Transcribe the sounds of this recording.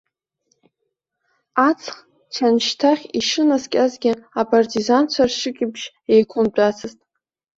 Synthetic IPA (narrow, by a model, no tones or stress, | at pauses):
at͡sʰχ | t͡ʃʰanʃtʰaχʲiʂɨnazkʲʼazɡʲɪapʰʼartʰʼizant͡ʃʷʰarʃɨkʲʼɪbʒ | ejkʷʰʼʊnt͡pʷʼat͡sʰɨztʼ